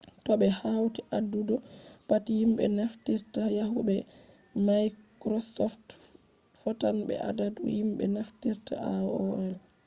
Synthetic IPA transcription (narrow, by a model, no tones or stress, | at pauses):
tɔbɛhawtiʔadːudɔpatihimbɛ̰naftiɾtajaɦubɛ | majkɾɔsɔft | fɔtanbɛ̰ʔa̰dadṵhimɓɛ̰naftiɾta̰aɔɛl